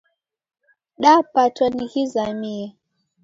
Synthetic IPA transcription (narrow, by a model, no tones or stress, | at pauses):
ɗapatwaniɣizamiɛ